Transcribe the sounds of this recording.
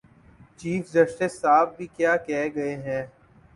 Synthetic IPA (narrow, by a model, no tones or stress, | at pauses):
t͡ʃiːfd͡ʒɐʃʈəsːaːb̚bʱikjaːkɛɦɡɐeɦɛ̃ː